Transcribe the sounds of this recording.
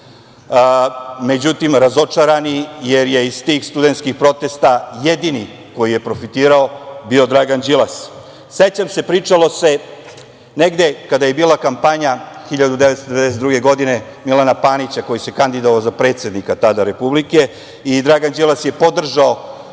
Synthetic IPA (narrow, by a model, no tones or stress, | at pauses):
me̞d͡ʑut̪imɾazo̞t͡ʃaɾanijeɾje̞izt̪ixst̪ud̪e̞nt̪skixpɾo̞t̪est̪ajed̪ini | ko̞jije̞pɾo̞fit̪iːɾao̞bio̞d̪ɾaɡand͡ʑilas | set͡ɕamse̞pɾiːt͡ʂalo̞se̞ | neɡd̪e̞kad̪aje̞biːlˠakampaɲaxiʎad̪ud̪eʋet̪sod̪ee̞d̪ɛset̪d̪ɾuɡe̞ɡo̞d̪ine̞ | milanapaːnit͡ɕako̞jise̞kand̪id̪oʋaozapɾe̞ːt̪sje̞d̪nikat̪ad̪aɾe̞publike̞ | id̪ɾaɡand͡ʑilasje̞po̞d̪r̩ʒao